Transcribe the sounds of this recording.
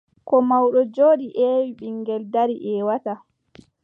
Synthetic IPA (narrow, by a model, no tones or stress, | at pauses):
kɔmawɗɔd͡ʒoːɗiʔɛːwiɓiŋɡɛldaɾiʔɛːwata